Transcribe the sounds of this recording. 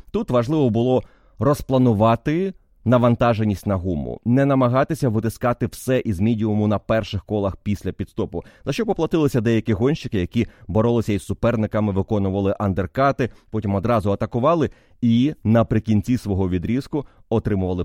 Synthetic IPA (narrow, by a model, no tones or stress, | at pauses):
t̪ut̪ʋɐʒlˠɪʋɔbʊlˠɔ | rɔsplˠɐnʊʋɑt̪ɪ | nɐʋɐnt̪ɑʒenʲːisʲtʲnɐɦumʊ̰nɛnɐmɐɦɑt̪ɪsʲɐʋɪt̪ɪskɑt̪ɪwsɛʔizmʲidʲiʊmʊnɐpɛrʃɪxkɔlˠɐxpʲisʲlʲɐpʲid̪st̪ɔpʊzɐʃt͡ʃɔpɔplˠɐt̪ɪlˠɪsʲɐd̪ɛjɐkʲɪɦɔnʲʃt͡ʃɪkɪjɐkʲibɔɾɔlˠɪsʲɐisːʊpɛrnɪkɐmɪʋɪkɔnʊʋɐlˠɪʔɐnd̪erkɑt̪ɪpɔtʲimɔd̪ɾɑzʊɐt̪ɐkʊʋɑlˠɪ | inɐpɾɪkʲinʲt͡sʲisʋɔɦɔʋʲid̪ɾʲiskʊ | ɔt̪ɾɪmʊʋɐlˠɪ